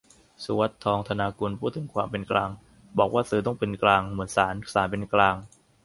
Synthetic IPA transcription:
su˧˦wa˦˥t̪ʰːɔː˧ŋt̪ʰa˧naː˧kuː˧npʰuː˥˩t̪ʰːɯ˩˦ŋkʰwaː˧mpe˧nklaː˧ŋ | bɔː˨˩k̚waː˥˩sɯː˧t̪ɔ˥˩ŋpe˧nklaː˧ŋmɯ˩˦ənsaː˩˦nsaː˩˦npe˧nklaː˧ŋ

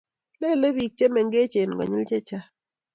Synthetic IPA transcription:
lɛ˦˨le˦bi˨k̚t͡ʃe˦mɛ˨ŋɡe˦t͡ʃe˨n˨ɡɔ̰˨ɲɪ˦lt͡ʃe˦t͡ʃa˦

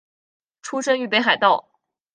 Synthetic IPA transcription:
ʈ͡ʂʰu˥ʂə˥ŋy˥˩pe˥ɪxa˨˩ɪt̪ɑ˥˩ʊ

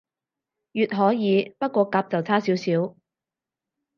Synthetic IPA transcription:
jyː˨t̚ɦɔː˨˥jiː˨˧pɐ˥t̚kʷɔː˧kaː˨˧p̚t͡sɐ˨wt͡sʰaː˥siː˨˥wsiː˨˥w

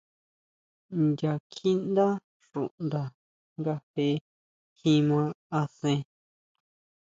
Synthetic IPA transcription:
nd̪ʲa˧kʰi˦nd̪a˦ | ʂṵ˨ʔnd̪a˧ | ŋɡa˧he˧˦ | hĩ˦mã˧a˧sẽ˧

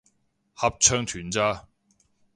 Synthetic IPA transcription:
hɐ˨p̚t͡ʃʰœː˥ŋt̪ʰyː˨˩nt͡saː˥

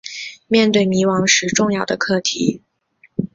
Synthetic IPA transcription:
mjɛ˥˧nt̪we˥˩ɪmi˧˥wɑ˧˥ŋʂɻ̩˧˥ʈ͡ʂʊ˥˧ŋjɑ˥˩ʊd̪ə˩kʰɤ˥˩t̪ʰḭ˧˥˦

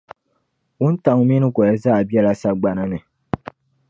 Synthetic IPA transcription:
wu˦n̩˦ta˨ŋu˦mi˦nɨ˦kɔ˨ɛ˦za˦˨a˨bi˦ɛ˦la˦sa˦ɡ͡ba˨na˦nɨ˨

